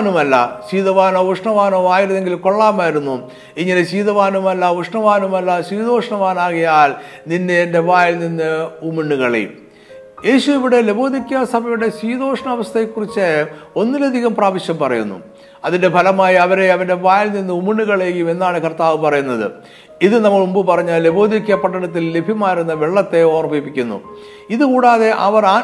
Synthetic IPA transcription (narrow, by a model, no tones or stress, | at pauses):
numɐlːɐ̰ɕiːðɐʋaːnoːuʂɳɐʋaːnoːaːjiɾunːe̞ŋɡilko̞ɭːaːmaːjiɾunːu | iŋːɐneɕiːðɐʋaːnumɐlːɐʋuʂɳɐʋaːnumɐlːɐsʋiːðo̞ːʂɐɳɐʋaːnaːɣɐjaːl | nindeːnde̞ʋaːjlninːɨumiɳːuɣɐɭḛjṵm | je̞ːɕuiʋiɽe̞lebo̞ːd̪ʱikʲːuɐsɐbʱɐjuɽe̞swiːd̪o̞ːʂɐɳɐʋɐst̪ʰɐjekːurit͡ɕːɨo̞nːilɐd̪ʱiɣɐmpraːʋɐɕjɐmpɐrɐjṵnːṵ | ɐðinde̞bʱɐlɐmaːjiɐʋɐɾe̞ɐʋɐnde̞ʋaːjilninːɨumiɳːuɣɐɭeːjume̞nːaːɳɨkɐrt̪aːʋɨpɐrɐjunːɐðɨ̰ | iðɨnɐmːɐɭumbɨpɐrɐɲːaːlle̞bo̞ːd̪ikʲːɐpɐʈːɐɳɐt̪̬ːilːe̞bʱimaːjiɾunːɐʋeɭːɐt̪ːe̞o̞ːrɐbipːikʲːunːṵ | iðɨkuːɽaːðe̞ʔɐʋɐɾaː